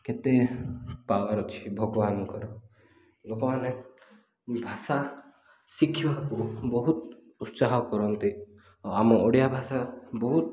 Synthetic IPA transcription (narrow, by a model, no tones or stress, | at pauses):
ket̪epawaɾɔt͡ʃʰi̥bʱɔɡɔbankɔɾɔ | lokɔmane | bʱasa | sikʰːibakubɔɦut̪ | ut̪saɦɔkɔɾɔnt̪i | amɔɔɽijabʱasabɔɦut̪̚